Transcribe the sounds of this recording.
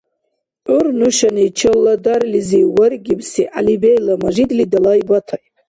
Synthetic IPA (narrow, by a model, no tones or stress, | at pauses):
ʔʊrnuʃanit͡ʃʰɨlːadarliziwarɡʲibsiʔalibejlamaʒid̪lidalaibatʰaj